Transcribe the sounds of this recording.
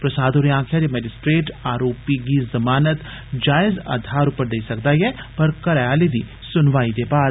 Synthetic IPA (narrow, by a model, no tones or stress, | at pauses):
pɾɐsaːd̪ʱoːɾiãːkʰjad͡ʒemɛːd͡ʒɪsʈɾeːʈaːɾoːpiɡizɐmaːnət̪ | d͡ʒaːɪzə̰d̪ʱaːɾʊpəɾd̪eːisɐkd̪aiɦɛpɐɾkɐɾajaːlid̪ʱi | sʊnʋaːid̪ebaːd̪